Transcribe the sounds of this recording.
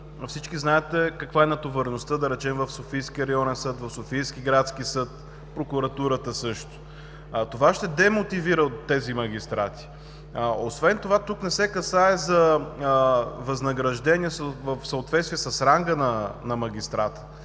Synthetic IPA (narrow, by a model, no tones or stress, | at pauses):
fsit͡ʃkiznaɛt̪ɛkɐkvaɛnɐt̪ovɐɾɛnost̪əd̪ɐɾɛt͡ʃɛmvəfsofijskʲiəɾɐjɔnɛnsɤt̪vɐfsofijsk̟iɡɾat̪skisɤt̪̚ | pɾokuɾɐt̪uɾət̪əsɤʃt̪o̥ | t̪ovaʃt̪ɛd̪ɛmot̪iviɾət̪ːɛzimɐɡ̟ʲist̪ɾat̪i̥ | osvɛnt̪ovat̪uknɛsɛkɐsaɛzɐ | vɐznɐɡɾɐʒd̪ɛniɛsvfsəot̪vɛt̪st̪vijɛsɐsɾaŋɡənɐnɐmɐɡʲist̪ɾat̪ə̥